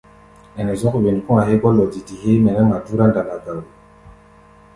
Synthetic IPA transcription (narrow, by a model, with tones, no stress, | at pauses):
ɛ˨nɛ˨zɔ˦kwe˨n˨kũ˦a˨ɦe˦ɡɔ˦lɔ˨di˨ti˨he˦mɛ˨nɛ˦ma˨du˦ɾa˦nda˨na˨ɡa˨l